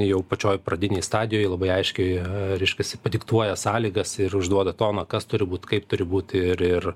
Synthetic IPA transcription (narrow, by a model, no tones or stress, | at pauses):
ɪjɛʊpɐt͡ʃʲoːjprɐd̪ʲɪnʲɛɪjst̪ɑːd̪ʲɪjoːjlˠɐbɐɪɐɪʃʲkʲɛɪɾʲɛɪʃʲkʲɛsʲɪpɐd̪ʲɪkt̪uɔjɛsɑːlʲiːɡɐsɪrʊʒd̪uɔd̪ɐt̪oːnɐkɐst̪ʊɾʲɪbuːt̪kɐɪpt̪ʊɾʲɪbuːt̪ʲɪɾɪr